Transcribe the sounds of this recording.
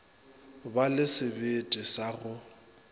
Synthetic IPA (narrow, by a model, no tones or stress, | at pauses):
balɪsɪbɪtʼɪsaɣʊ